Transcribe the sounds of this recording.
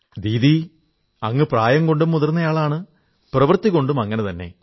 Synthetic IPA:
d̪iːði | ɐŋːɨpraːjɐŋko̞ɳɖumːuðɐrnːɐjaːɭaːɳɨ | prɐʋɐrt̪ːikːo̞ɳɖumɐŋːɐne̞t̪ɐnːe̞̰

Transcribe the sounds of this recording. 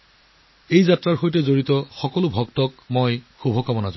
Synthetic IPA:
ejzatɹaɹxojtɛzoɹitɔxɔkɔlʊbʱɔktɔkmojxubʱɔkamɔnazɔ

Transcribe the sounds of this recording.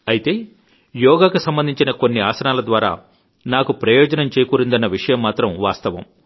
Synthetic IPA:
ɐjit̪e̞ː | jɔːɡaːkusɐmbɐnd̪iɲt͡ʃinɐko̞nːia̰ːsɐnaːlɐd̪ʋaːɾa̰ː | naːkupɾɐjɔːd͡ʒɐnɐmt͡ʃeːjkuːɾind̪ɐnːɐʋiʂɐjɐmːaːt̪ɾɐmʋaːst̪ɐʋɐ̰m

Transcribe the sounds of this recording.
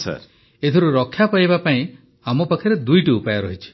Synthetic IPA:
sa̰ɾ | et̪ʰɔɾuɾɔkʰːjapajbapaĩ | amɔpakʰːaɾed̪ujʈuːpajɔɾɔɦit͡ʃʰi̥

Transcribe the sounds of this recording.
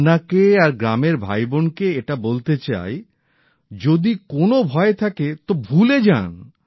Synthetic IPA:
nakeaɾɡɾameɾbʱa̰jbonkeeʈabolt̪et͡ɕa̰e | d͡ʑod̪ikonobʱɔet̪ʰaket̪obʱuled͡ʑan

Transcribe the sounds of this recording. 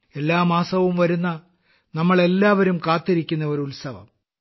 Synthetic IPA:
e̞lːaːmaːsɐʋumʋɐɾunːɐ | nɐmːɐɭe̞lːaːʋɐɾumkaːt̪ːiɾikʲːunːɐoɾulsɐʋɐ̰m

